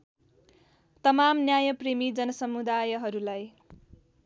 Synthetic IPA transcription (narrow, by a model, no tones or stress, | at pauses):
t̪ʌmamnjajʌpremid͡zʌnʌsʌmud̪ajʌɦʌɾulaj